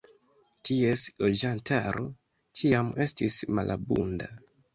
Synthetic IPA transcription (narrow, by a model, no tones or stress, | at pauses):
tie̞slo̞d͡ʒantaɾo̞ | t͡ʃiame̞stismalʔa̰bṵnda